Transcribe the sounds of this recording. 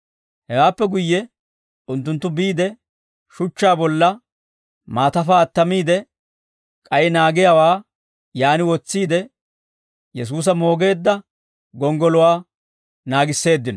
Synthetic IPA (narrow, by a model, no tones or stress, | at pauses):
hɛwaːpːɛɡʊjːɛ | ʊnt̪ːʊnt̪ːʊbiːd̪ɛ | ʃʊt͡ʃːaːbɔlːɐ | maːt̪ɐfaɐt̪ːɐmiːd̪ɛ | kʼɐjɛnaːɡɪjawaː | jaːnɪwɔt͡sːiːd̪ɛ | jɛs̬uːs̬ɐmo̞ːɡe̞ːd̪ːɐ | ɡɔŋɡɔlʊwaː | naːɡɪsːe̞ːd̪ːɪnɔ